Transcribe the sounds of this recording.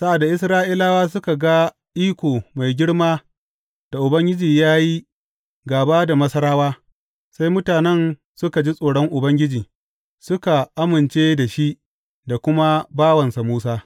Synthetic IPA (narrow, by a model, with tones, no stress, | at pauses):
sa˦ʔa˨da˨ʔɪ˦s̬ɾaː˦ʔi˦laː˦waː˦s̬ʊ˦ka˨ɡa˦ | ʔiː˦kʷoː˨ma˨jɡʲɪ˦ɽmaː˦ | d̥a˨ʔʊ˨bɐ˦ŋɡʲɪ˦d͡ʒiː˨jaː˦ji˦ | ɡaː˨baː˦da˨mɐ˦sɐ˦ɾaː˦waː˦ | sa˦jmʊ˦taː˨nɛ˦n | sʊ˦ka˨d͡ʒi˦sʼoː˨ɽɔ˦ŋʔʊ˨bɐ˦ŋɡʲɪ˦d͡ʒiː˨ | sʊ˦ka˨ʔa˦mɪ˨nt͡ʃeː˦da˨ʃi˦ʔ | da˨kʷʊ˦ma˦baː˦wɐ˨nsa˨muː˦saː˦